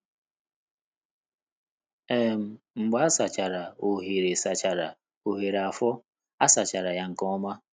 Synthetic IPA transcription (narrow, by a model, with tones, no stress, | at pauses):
e˦m̩˨ | ŋ͡m̩˨ɡ͡ba˦a˦sa˨t͡ʃa˨ɾa˨o˨ɦe˨ɾe˨sa˨t͡ʃa˨ɾa˨ | o˨ɦe˨ɾa˨fɔ˦ | a˦sa˨t͡ʃa˨ɾa˨ja˦ŋ̩˨kɔ˦ma˦